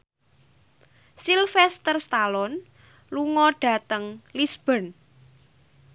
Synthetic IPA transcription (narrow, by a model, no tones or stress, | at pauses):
silfɛst̪ərst̪alɔn | luŋɔɖ̥ä̤t̪əŋlisb̥ən